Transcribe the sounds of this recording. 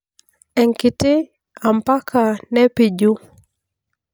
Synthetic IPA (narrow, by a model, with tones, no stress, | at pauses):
ɛ˨ŋkɪ˨tɪ˦ | a˨mpa˦kʰa˨nɛ˦pi˨d͡ʒu˦